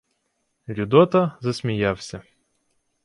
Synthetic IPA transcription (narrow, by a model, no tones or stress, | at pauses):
lʲud̪ɔt̪ɐzɐsʲmʲijawsʲɐ